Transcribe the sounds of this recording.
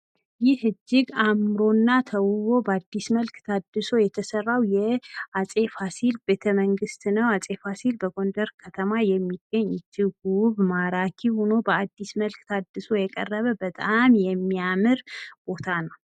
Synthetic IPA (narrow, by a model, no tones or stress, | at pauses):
jɪhɨd͡ʒːɪɡamɾo̞nːat̪ʰəwuβo̞bəad̪ːisməlkt̪ʰad̪ɨso̞jɛt̪ʰəsərːawjɛasʼe̞fasilbe̞t̪ʰəməŋɡɨst̪nəwasʼe̞fasilbəɡo̞nd̪əɾkʰət̪ʰəmajɛmːiɡ̥ːəɲːt̪ʰɨɡuβmaɾakʰihuno̞bəad̪ːisməlkt̪ʰad̪ːɨso̞jɛkʼə̰rːəβəbət̪ʼamjɛmːijamɨɾb̥o̞t̪ʰanəw